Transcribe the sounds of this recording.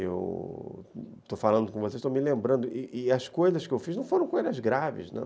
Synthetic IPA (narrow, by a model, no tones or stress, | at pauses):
ḛw | t̪ofalɐ̃nd̪ʊkõvosezʃt̪õwmɪlẽmbɾɐ̃nd̪ʊʔɪʔɪɐskojzɐskɪewfiznɐ̃w̃foɾɐ̃w̃kojzɐzɡɾavɪ̰znɐ̰̃